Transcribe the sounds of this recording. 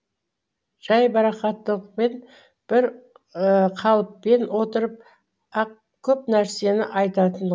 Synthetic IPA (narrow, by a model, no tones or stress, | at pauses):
ʒ̥ɑjbɑɾɑqɑt̪ːəlˠəq̚pe̞n | b̥ɪɾ | qʰɑlˠəpːe̞nwo̞t̪əɾəp̚ | ɑq | kʲʰɵpnæɾse̞nɪʔɑjt̪ɑt̪ənd̪